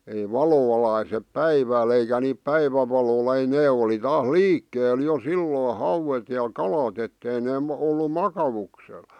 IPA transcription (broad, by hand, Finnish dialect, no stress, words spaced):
ei ʋɑlo ʋɑlɑisep pæiʋæːl eikæ niːp pæiʋæʋɑlolɑ̥ ei neː oli tɑːs liːkːeːl jo silːoː hɑuwet jɑ kɑlɑt etːei neː m olːu mɑkɑʋuksel